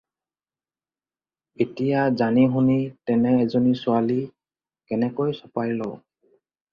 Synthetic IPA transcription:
etijazaniɦunitɛnɛːzonisʊali | kɛnɛkojsɔpajlɔ

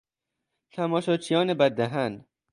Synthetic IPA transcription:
t̪ʰæmɒːʃɒːt͡ʃʰijɒːnebæd̪̚ːæɦæn

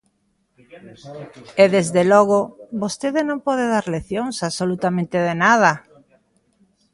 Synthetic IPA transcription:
eðezðelɔɣ̞oβost̪eðenõmpɔðeðaɾleθjoŋsaβsolut̪amẽnt̪eðenað̞a

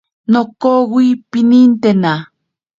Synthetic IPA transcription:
nokowipinint̪ena

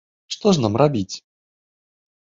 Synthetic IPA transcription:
ʂt̪ɔʂnamrabʲit͡sʲ

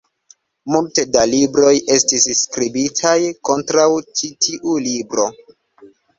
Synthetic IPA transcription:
multe̞dalibɾo̞jʔe̞stisskɾibitʰajko̞ntɾawt͡ʃitʰiʔulibɾo̞

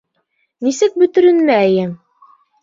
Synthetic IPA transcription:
nisɘk̚bɵ̆t̪ɵ̆ɾɘ̆nmæjɘm

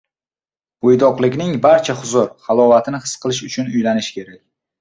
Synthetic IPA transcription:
ojd̪ɒqlˠɪkʲnɪŋbaɾt͡ʃʰaχʊzʊɾχalˠɒvat̪ʰɪnɪhɨ̥sqʰɨlˠɪʃʊt͡ʃʰʊnʊjlanɪʃkʲʰe̞ɾakʲ

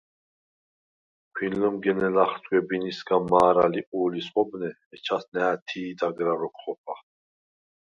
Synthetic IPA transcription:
kʷʰinlɔmɡɛnɛlaχt̪ʼɡʷwɛbinisɡamaːɾaliuːlisχɔbnɛːt͡ʃʰasnɛːt̪ʰiːd̪aɡɾaɾɔkʰχɔpʰa

